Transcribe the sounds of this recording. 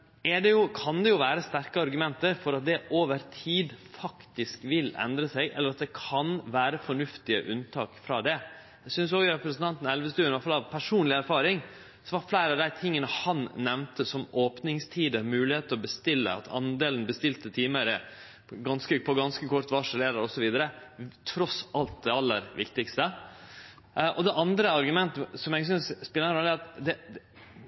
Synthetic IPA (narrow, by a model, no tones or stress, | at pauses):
ɛɖɛjʊkʰɑnd̪ɛjʊʋæːɾəst̪æɾkəɑɾɡʉmɛnt̪əɾfɔɾɑt̪̚d̪ɛʔoːʋəɾt̪ʰiːd̪fɑkt̪ɪskʋɪlɛ̰nd̪ɾəsæɪɡʔɛ̰lːəɾɑt̪̚d̪ɛkʰɑnʋæːɾəfɔɳʉft̪ɪəʔʉnt̪ʰɑːkfɾɑ̰ːd̪ɛ | æɪsʏns̬ɔɡɾɛpɾəsn̩t̪ʰɑnt̪ən̩ɛlʋəst̪ʉːnɪʋæt̪fɑlɑʋpʰæʂuːnlɪæɾfɑːɾɪŋ | sɔʋɑɾflæɪɾəɑʋd̪æɪt̪ʰɪŋːənəhɑnnɛʋnt̪əsɔmoːpnɪŋst̪ʰiːd̪əɾmʉːlɪheːt̪əɾɔbəst̪ɪlːə̰ɑ̰t̪ʰɑ̰nd̪eːlən̩bəst̪ɪlt̪ət̪ʰiːməɾə | ɡɑnskəpʰɔɡɑnskəkʰɔɾt̪ʋɑʂəleːɾəɾɔsɔʋiːd̪əɾət̪ʰɾɔsɑlt̪̚d̪ɛɑlːəɾʋɪkt̪ɪkst̪ə | ʔɔd̪ɛʔɑnd̪ɾəɑɾɡʉmɛnt̪əsɔmɛɡsʏnsspɪlːənɾɔlːəɾɑt̪d̪ɛ